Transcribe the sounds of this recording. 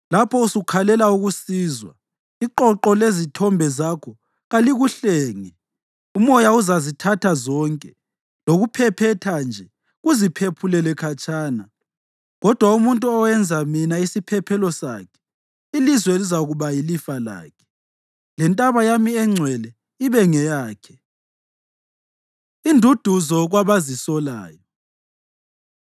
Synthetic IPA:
lapʰɔusukʰalɛlauɣusiːzwa̰ | iǃɔǃɔlezitʰɔmbʱɛzakʰɔ | ɣaliɣuɬɛːŋɛ | umɔjauzazitʰatʰazɔŋkʼɛ | loɣupʰɛpʰɛtʰand͡ʒʱɛ | ɣuzipʰepʰulɛlɛkʰat͡ʃʼaːna | ɣɔd̥ʱwaumuntʼuɔwɛnd͡zʱaminaisipʰɛpʰɛlɔsa̰kʰɛ̥ | ilizwɛelizaɣuβajilifala̰ːkʰɛ̥ | lɛntʼaβajamiɛŋ͡ǀʱwɛlɛ | iβɛŋɛjaːkʰɛ | indʱud̥ʱuzɔɣwaβazisɔla̰ːjɔ

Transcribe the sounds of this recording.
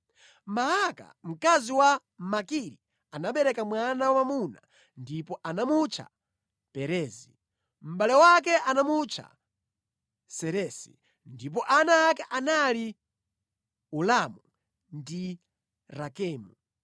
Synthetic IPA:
maɦaka̰m̩kaziwa | makiɾi | anaɓɛɾɛkamwanawamamuna | ndipɔʔanamut͡ʃʰa̰ | pɛɾɛːzi | m̩ɓalɛwak̬ɛʔanamut͡ʃʰa̰ | sɛɾɛːsḭ | ndip̬ɔʔanaːkɛʔanali | ulamu | ndi | ɾakɛːmu

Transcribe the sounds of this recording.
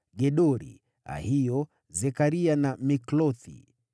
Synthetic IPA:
ɡɛɗɔɾḭ | a̰hijɔ | zɛkaɾianamiklɔθḭ

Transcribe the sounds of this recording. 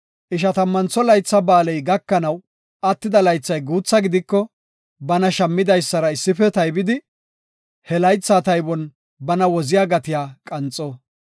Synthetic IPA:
ʔɪʃɐt̪ɐmːɐnt͡sːɔlɐjt͡sːɐbaːlɛjɡɐkːɐnɐw | ʔɐt̪ːɪd̪ɐlɐjt͡sːɐjɡuːt͡sːɐɡɪd̪ɪkːɔ | bɐnɐʃɐmːɪd̪ɐjsːɐɾɐɪsːɪfɛt̪ɐjbɪd̪ɪ | hɛlɐjt͡sːat̪ɐjbɔn | bɐnɐwɔzɪjaːɡɐt̪ɪjaːkʼɐnt͡sʼːɔː

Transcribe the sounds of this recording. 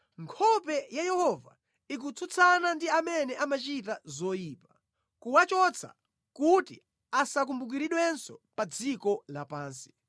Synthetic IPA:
ŋkʰɔpɛjajɛhɔva̰ | ik̬ut͡sʰut͡sʰanandiamɛnɛʔamat͡ʃitazɔjiːpḁ | kuwat͡ʃɔt͡sʰa̰ | kutḭ | asak̬umbuk̬iɾiɗwɛnsɔpad͡zikɔlapaːnsi̥

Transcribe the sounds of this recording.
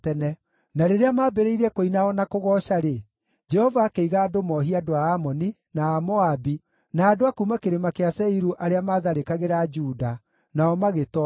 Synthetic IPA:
tɛnɛ | naɾeɾeamaːbeɾeiɾɛkoinaɔnakoɣɔʃaɾe | d͡ʒɛhɔvaːkeiɣaːdomɔɦiadoaːmɔni | naːmɔabi | naːdoakumakeɾemakeasɛiɾuʔaɾeamaːðaɾekaɣeɾad͡ʒuːda | naɔmaɣetɔ

